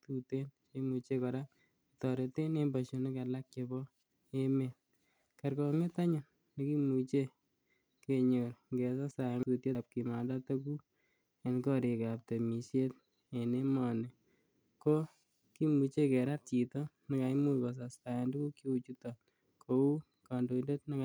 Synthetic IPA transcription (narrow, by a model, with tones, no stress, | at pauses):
tute˦nke˦mut͡ʃe˦kɔ˨ɾa˦ | itɔ˨ɾe˨te˦ne˦mbaʃo˨ne˦kɛ˨la˦k̚t͡ʃe˧bɔ˦ | e˦me˨n | ka˨ɾkɔ˨ŋe˦t̪a˦ɲʊ˨ | ni˦ki˦mu˨t͡ʃe˦ | ke˨ɲo˨ɾŋɡɛ˨sa˦sa˨ŋtu˨tje˦p̚ki˨ma˨da˦to˦ku˦ | a˨nkɔ˦ɾe˨kap̚te˨mi˨sje˦t̚ | e˨ne˦mɔ˨ne˨ | ko˦ | ki˦mu˨t͡ʃe˦kɛ˨ɾa˦t̚t͡ʃi˨tɔ˦ | nɪ˦ka˨jmu˦jba˨s̬a˨sta˨a˨ndu˦ku˦kjo˦u˨t͡ʃu˦tɔ˨ | kʰou˦ | ka˨ndo˨ndo˦t̚nɪ˦k